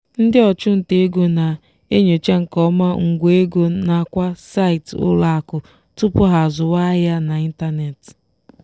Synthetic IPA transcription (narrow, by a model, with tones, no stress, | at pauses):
n̩˦dɪ˦ɔ˨t͡ʃʊ˦n̩˨te˨e˦ɡo˨na˨ | e˦ɲo˨t͡ʃe˦ŋ̩˨kɔ˦ma˦ŋ̩˨ɡʷe˦ɡo˦na˨kʷa˦sa˦ɪ˨tʊ̰˦la˦a˨kʊ˨ | tʊ˦pʊ˦ɦa˨zʊ˨wa˦ja˦na˨i˦n̩˦ta˦ne˨t